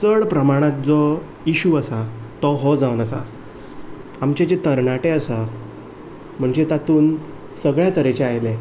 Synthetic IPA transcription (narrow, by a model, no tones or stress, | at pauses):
t͡səɭpɾəmaɽ̃ãt̪̚d͡zɔ | jiɕuəsat̪ɔɦɔd͡zaʋənəsa | amt͡ɕet͡ɕet̪əɾɳaʈeəsa | m̤əɳd͡ʑet̪at̪uːn | səɡɭjat̪əɾet͡ɕeajle